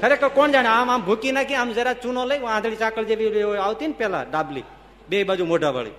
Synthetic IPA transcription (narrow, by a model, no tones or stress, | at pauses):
kʰəɾekːəkond͡ʒanamambʱukinakiamd͡ʒəɾat͡ʃunoləiãd̪ʰɽit͡ʃakəld͡ʒebioaut̪inpela̰ɖablḭ | beibəd͡ʒumoɖəbə̰ɭḭ